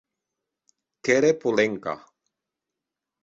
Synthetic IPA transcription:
keɾepuleŋka̰

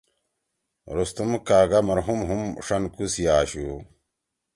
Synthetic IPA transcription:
ɾust̪umkaːɡamɐɾɦumɦumʂɐnkusijaːɕu

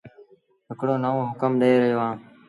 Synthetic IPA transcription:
ɦɪkɽoːnəʋõːɦʊkəmɗeːɾəɦjoːɦãː

